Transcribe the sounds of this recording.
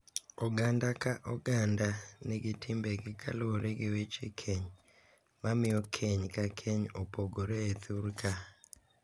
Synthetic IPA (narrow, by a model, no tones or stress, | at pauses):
ɔɡandakaʔɔɡandanɛɡɪtʰimbeɡɪkʰa̰loɾeɡɪwet͡ʃekʰeɲ | mamɪokʰeɲkakʰeɲɔpoɡoɾeːt̪ʰuɾka